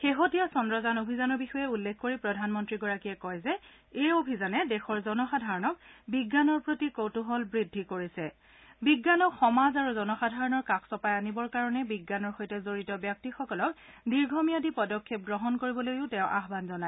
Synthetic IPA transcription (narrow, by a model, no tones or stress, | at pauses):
xeɦotijasɔndɹɔzanobʱizanɔɹbixɔjɛulːekʰkoɹipɹɔdʱanmɔntɹiɡɔɹakijɛkɔjzɛ | ejobʱizanɛdɛxɔɹzɔnɔxadʱaɹɔnɔk̚biɡːanɔɹpɹotikotuɦɔlbɹidʱːikoɹisɛ | biɡːanɔkxɔmazaɹuzɔnɔxadʱaɹɔnɔɹkakʰsɔpajanibɔɹkaɹɔnɛbiɡːanɔɹxojtɛzoɹitɔbjak̚tixɔkɔlɔk | diɹɡʱomijadipɔdɔkʰːep̚ɡɹɔɦɔnkoɹibɔlojʊ̃tɛʊ̃ʔaɦbanzɔnaɛ